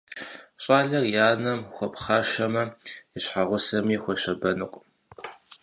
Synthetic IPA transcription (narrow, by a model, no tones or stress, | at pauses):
ɕʼaːɮɐrjaːnɐmxʷɔpχaːʃɐmɐɪɕħaʁʷʊsɐmiːxʷɔɕɐbɐnɨqʷʼ